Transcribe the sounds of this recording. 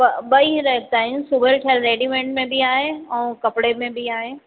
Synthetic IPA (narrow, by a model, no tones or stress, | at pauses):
pɐbɐiɾɐɦt̪aːɦɪnsubəɾʈʰeəlɾeːɖimẽːɳʈmẽbiaːɦeɛ̃ːkɐpɽemẽbiaːɦeː